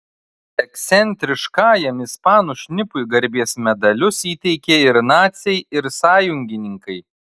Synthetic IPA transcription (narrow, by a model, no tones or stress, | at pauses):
ɛksʲɛnʲt̪ʲɾʲɪʃkɑːjɛmɪspɑːnuːʃʲnʲɪpʊjɡɐɾʲbʲiɛsmʲɛd̪ɐlʲʊsiːt̪ʲɛɪkʲeɪɾnɑːt̪sʲɛɪɪɾsɑːjʊŋʲɡʲɪnʲɪŋkɐɪ